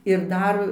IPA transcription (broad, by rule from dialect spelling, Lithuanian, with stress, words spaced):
ɪr ˈdɐr